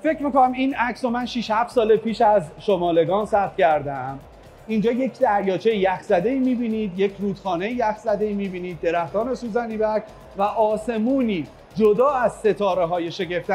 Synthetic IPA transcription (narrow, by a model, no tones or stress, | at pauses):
fe̞cɾmikonæminæcso̞mænʃiːʃhæft̪sɒːlepʰiːʃæzʃomɒːle̞ɡɒːnsæt̪cʰæɾd̪æm | ind͡ʒɒːje̞cʰd̪æɾjɒːt͡ʃʰejijæxzæd̪e̞iːmiːbiːniːd̪jecʰɾuːd̪̥xɒːne̞jijæxzæd̪e̞iːmiːbiːniːd̪̚ːe̞ɾæxt̪ɒːɾnesuːzæniːbæcʰ | væʔɒːse̞muːniː | d͡ʒod̪ɒːæz̥se̞t̪ʰɒːɾeɦɒːjeʃe̞ɡe̞ft̪æ